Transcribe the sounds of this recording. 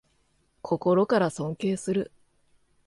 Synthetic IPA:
kʰo̞ko̞ɾo̞kaɾasõ̞ŋke̞ːsɨɾɯ̟

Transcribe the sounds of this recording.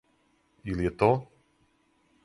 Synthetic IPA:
ilijɛt̪o

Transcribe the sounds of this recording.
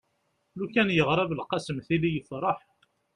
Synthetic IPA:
lukænjəʁɾˤɑvəlqɑsəmθilijəfɾˤɑħ

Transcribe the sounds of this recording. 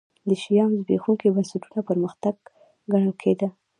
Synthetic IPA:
d̪əʃijɑmzbḛxuŋkibənsaʈunapəɾməxt̪aɡ | ɡaɳəlkʰed̪a

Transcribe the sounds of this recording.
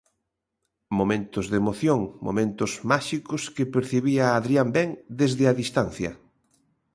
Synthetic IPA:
momẽnt̪ʊzðemoθjoŋmo̰mẽnt̪ʊzmaʃikʊskepeɾθeβiaːðɾiambɛŋd̪ezðɪaðist̪anθjɐ̰

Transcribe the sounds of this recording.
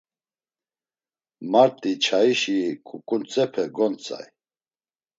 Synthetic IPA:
maɾt̪ʼit͡ʃʰaiʃikʰʼukʼunt͡sʼɛpʰɛɡɔnt͡sʼa̰j

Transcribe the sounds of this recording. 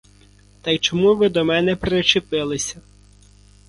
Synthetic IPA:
t̪ɐjt͡ʃɔmuʋɪd̪ɔmɛnɛpɾet͡ʃɪpɪlˠɪsʲɐ

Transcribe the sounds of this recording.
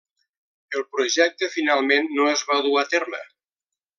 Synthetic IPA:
əlˠpɾuʒɛk̚t̪əfinalˠmenːoezβaðuat̪ɛrlə̰

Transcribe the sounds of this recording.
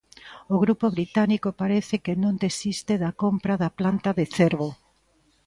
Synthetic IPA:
oɣɾupoβɾit̪anikopaɾeθɪkenõnd̪esist̪eðɐkompɾaðɐplant̪aðeθeɾβo

